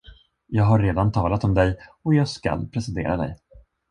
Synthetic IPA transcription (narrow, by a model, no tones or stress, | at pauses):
jɑːɡɦaɾeːd̪ant̪ʰɑːlat̪ɔmd̪ɛjɔjɑːɡska̰lpʰɾɛsɛnt̪ḛːɾad̪ɛ̰j